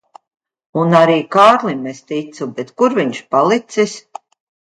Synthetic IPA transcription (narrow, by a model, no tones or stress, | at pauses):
unaɾiːkaːɾlˠimest̪it̪subɛt̪kuɾviɲʃpalˠit̪sis